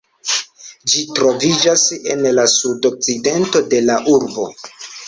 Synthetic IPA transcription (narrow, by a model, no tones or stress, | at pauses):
d͡ʒitɾo̞vid͡ʒase̞̰nlasudok̚t͡side̞nto̞de̞laʔuɾbo̞̰